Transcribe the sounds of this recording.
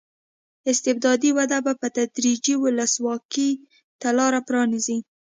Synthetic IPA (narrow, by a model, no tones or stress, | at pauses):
ɪst̪ɪb̚d̪ɑd̪iwad̪abapət̪ad̪ɾid͡ʒiwʊləswɑki | t̪alɑɾapɾɑnizi